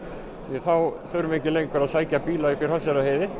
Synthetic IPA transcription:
θiaθawθœɾʏmɪɛhcɪlejŋkaɾaðsaːjcapiːlaipiɾ̥hasɛɾaheːjðɪ

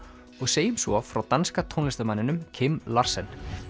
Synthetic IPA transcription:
ɔɣseːjʏmsvɔfɾawt̪anskat̪ʰownlɪst̪amanːɪnʏmcʰɪmlar̥sɛn

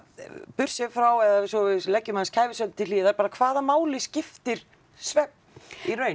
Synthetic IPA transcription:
pʏr̥sɪfɾawɛðasɔvɪðlɛcːʏmanskʰaːjvɪsœlt̪ɪliːðaɾpaːɾakʰvaːðamaːwlɪscɪft̪ɪɾ̥ | svɛp̪̚ | irœːɥ

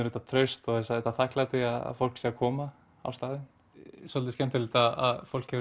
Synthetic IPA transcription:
ʏɾɛt̪at̪ʰɾœɥst̪ɔθɛsaðɛt̪aθahklat̪ɪaða̰fowlksiːakʰɔːma | a̰wst̪aːðɪn | sɔlt̪ɪscɛmt̪alɪt̪aa̰ðfowl̥khɛvɾ

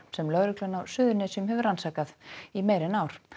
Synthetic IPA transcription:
sɛmlœɾɪklœnawsʏːðʏnɛsʏmɦɛvʏɾansaːkaðimeːjɾɪnawɾ̥

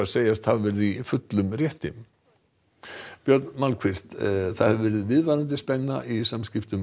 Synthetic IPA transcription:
aseːjast̪havvɛːɾɪðifʏt̪lʏmrjɛht̪ɪm | pjœɾt̪nmalkʰvist̪θaðhɛvʏvɛːɾɪðvɪðvaɾant̪̬ɪspɛnːa̰ʔisamscɪft̪ʏm

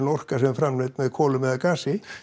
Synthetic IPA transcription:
nɔr̥kasɛmfɾamnɪt̪mɛðkʰɔːlʏmɛðakaːsɪ

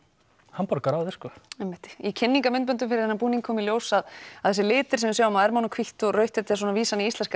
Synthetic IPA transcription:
hampɔɾkaɾawðɛ̥skɔemːɪht̪icʰɪnːiŋkamʏnt̪pœnt̪ʏmfɪɾɪɾhɛnapuːniŋkʰɔːmiljoːwsaðaðθɛsɪlɪːt̪ɪɾsɛmɪðsawʏmaɛɾmawnakʰviht̪ɔrœɥht̪ɛt̪ːsɔnaviːsaniislɛnsk

